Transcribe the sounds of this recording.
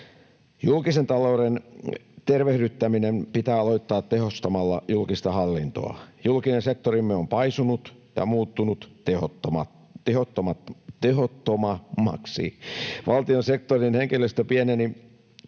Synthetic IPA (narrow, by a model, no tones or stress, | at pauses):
julkisent̪ɑlouɾent̪erʋehdyt̪ːæminempit̪æːɑloit̪ːɑːt̪tehost̪ɑmɑlːɑ̰julkist̪ɑhɑlːint̪o̰ɑ̰julkinensek̚t̪orimːeompɑisunut̪jɑ̰muːt̪ːunut̪eooɑ | ehot̪ːomɑt̪eɦot̪ːomɑmːɑ̰ksḭʋʔɑlt̪ionsek̚t̪orinheŋkilːøst̪æpieneni